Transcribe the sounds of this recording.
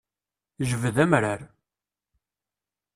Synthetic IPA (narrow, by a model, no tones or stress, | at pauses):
ʒəvəðæmɾaɾ